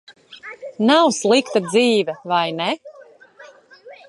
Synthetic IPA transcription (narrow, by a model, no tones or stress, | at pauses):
nawslˠikt̪ad̪ziːvʲɛvajnɛ